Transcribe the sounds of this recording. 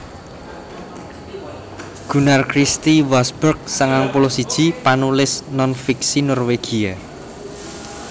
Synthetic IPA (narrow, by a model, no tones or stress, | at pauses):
ɡ̥ṳnarkɾist̪iwasbərk̚səŋaŋpulɔsid̥ʒ̥i̤panulɪsnɔnfiksinɔrweɡ̥ia